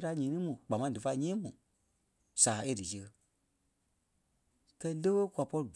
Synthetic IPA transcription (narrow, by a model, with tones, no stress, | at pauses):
ta˧˦ɲĩː˨˦nĩ˦mũ˨k͡pa˨mã˧˦dɨ˨fa˧˦ɲĩː˦mũ˨ | saː˨˦e˦dɨ˨sə˧ | kɛ˧i˦lə˦wə˦kwa˨pɔ˧ɾi˨ɡ